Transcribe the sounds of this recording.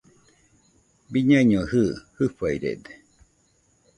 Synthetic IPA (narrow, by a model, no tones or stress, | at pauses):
biɲaiɲohɨːhɨfaiɾḛd̪e̥